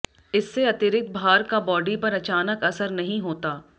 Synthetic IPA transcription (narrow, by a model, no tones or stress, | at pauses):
ɪsːeɐt̪ɪɾɪk̚t̪̚bʱaːɾkabɔːɖipɐɾɐt͡ʃaːnəkɐsəɾnɐɦĩɦoːt̪aː